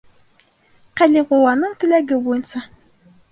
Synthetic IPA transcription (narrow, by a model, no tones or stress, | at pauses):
qæliʁolˠɑnɤɴt̪ɵ̆læɡɘbujɤ̆nsɑ